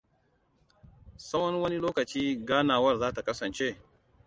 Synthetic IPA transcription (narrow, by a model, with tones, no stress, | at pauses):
sɐ˦wɐ˦nwɐ˦ni˦loː˦kɐ˨t͡ʃiː˦ɡaː˦naː˨wɐ˦rzaː˦ta˨kɐ˦sɐ˨nt͡ʃe˦˨